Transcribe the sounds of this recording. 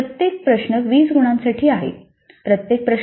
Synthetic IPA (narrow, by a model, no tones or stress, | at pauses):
ət̪jek̚pɾəɕɳəʋiːt͡sɡuɽ̃ãnsaʈʰiːaɦḛ | pɾət̪jek̚pɾə